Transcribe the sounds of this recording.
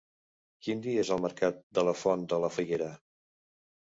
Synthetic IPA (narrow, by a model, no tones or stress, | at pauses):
kind̪iezəlˠməɾkat̪̚d̪ələfɔnd̪ələfəɣeɾə